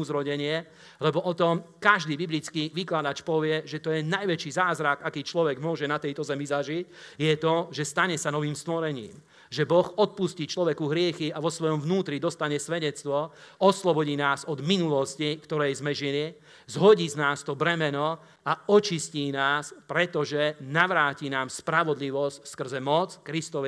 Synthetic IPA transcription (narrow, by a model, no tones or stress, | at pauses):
uzɾɔɟɛɲɪɛ | lɛbɔʔɔt̪ɔmkaʒd̪iːbiblit͡skiʋiklad̪at͡ʃpɔʋɪɛʒɛt̪ɔjɛnajʋɛt͡ʃizaːzɾakakiːt͡ʃlɔʋɛɡmʊɔʒɛnat̪ɛjt̪ɔzɛmizaʒicjɛt̪ɔʒɛst̪aɲɛsanɔʋiːmst̪ʋɔɾɛɲḭːm | ʒɛbɔxɔt̪̚pusciːt͡ʃlɔʋɛkuɦɾɪɛxiaʋɔsʋɔjɔmvnuːt̪ɾid̪ɔst̪aɲɛsʋɛɟɛt͡st̪ʋɔɔslɔbɔɟiːnaːzɔd̪minulɔscikt̪ɔɾɛjzmɛʒili | zɦɔɟiːznaːst̪ɔbɾɛmɛnɔ | aɔt͡ʃisciːnaːspɾɛt̪ɔʒɛnaʋɾaːciːnaːmspɾaʋɔd̪liʋɔscskr̩zɛmɔt͡skɾist̪ɔʋ